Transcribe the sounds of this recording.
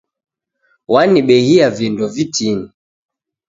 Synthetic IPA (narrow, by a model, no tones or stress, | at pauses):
waniɓɛhiavindɔvitʰini